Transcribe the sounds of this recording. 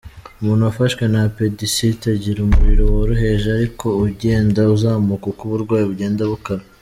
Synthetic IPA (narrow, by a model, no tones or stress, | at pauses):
umuːnhuafaʃwe̞napedisitaɟiɾumuɾiɾowaɾuɦe̞ʒeaɾikʰo̞uɟe̞ːndauzaːmukakuβuɾɡwaːjiβuɟe̞ːndaβukaɾa